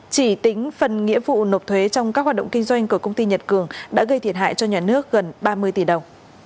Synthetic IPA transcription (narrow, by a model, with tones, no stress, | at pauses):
t͡ɕi˧˩t̪ï˨˦ŋ̟fə˨˩nŋḭ˧˥əvṵ˧˨no˨˩p̚t̪ʰwe˨˦t͡ɕɔ˧wŋ͡mkaː˦˥k̚hwaː˨˩ɗə̰˧˨ŋ͡mkï˧ŋ̟zwa˧jŋ̟ku˧˩əkə˧wŋ͡mt̪i˧ɲə˨˩t̚kɨ˧˩əŋɗa̰ː˧˥ɣə˧jt̪ʰi˧˩ət̚ɦa̰ː˧˨jt͡ɕɔ˧ɲaː˨˩nɨ˦˥ək̚ɣə˨˩nɓaː˧mɨ˧əjt̪i˧˩ɗə˨˩wŋ͡m